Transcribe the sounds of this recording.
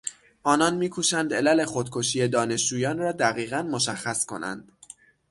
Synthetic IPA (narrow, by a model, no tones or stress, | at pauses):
ʔɒːnɒnmiːkʰuːʃænd̪elæle̞xo̞d̪̥̚kʰoʃiːje̞d̪ɒːne̞ʃd͡ʒuːjɒːnrɒːd̪æɣiːɣænmo̞ʃæχːæskʰo̞̰næ̰nd̪̥